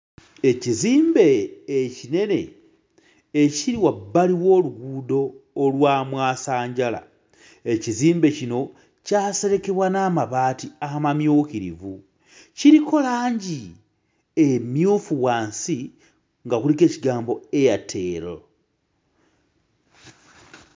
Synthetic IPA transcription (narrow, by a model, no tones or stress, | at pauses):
e̞ciziːmbe̞ːcine̞ne̞̰ | ciɾiwabːaliwo̞ːluɡuːdo̞ːlwaːmwaːsaːɲɟala̰ | e̞ciziːmbe̞cino̞ | caːse̞ɾe̞ke̞βwanaːmaβaːtiaamamjuːkiɾḭvu | ciɾikʰo̞laːɲɟi | emjuːfuwaːnsi | ŋɡakulike̞ːciɡaːmbo̞e̞jatʰe̞ːɾo